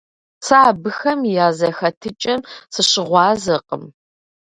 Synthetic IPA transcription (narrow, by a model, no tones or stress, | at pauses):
saːbɨxɐmjaːzɐxɐtʰɨt͡ʃʼɐmsɨɕɪʁʷɑːzɐqə̰m